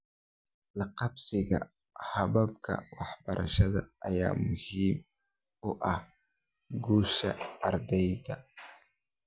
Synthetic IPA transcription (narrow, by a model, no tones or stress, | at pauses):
lɑqɑbsɪɣɐ̰ | hɐβɐbkʰɐ̰wɑħbɐɾʔɐ̰ʃɐðɐ̰ʔɐjaːmʊhiːm | ʊʔɐh | ɡuːʃɐɐɾd̪ɛjdɐ